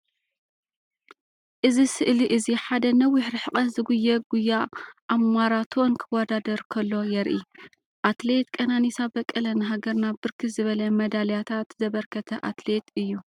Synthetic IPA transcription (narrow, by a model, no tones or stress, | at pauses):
ʔɨzisɨʔliʔɨziħad̪ɐnɐwiħɾɨħɨkʼɐzɨɡujːɐɡ̥ujːaʔamʷaɾat̪ʰonkʰɨwad̪ad̪ɐɾkʰɐlːo̞jɛɾʔi | ʔat̪let̪kʼɐnanisabɐkʼːɐlɐnɦaɡɐɾnabɨɾkʰizɨβɐlɐmɐd̪aljat̪ʰat̪zɐβɐɾkʰɐt̪ʰɐʔat̪le̞t̪ɨjːu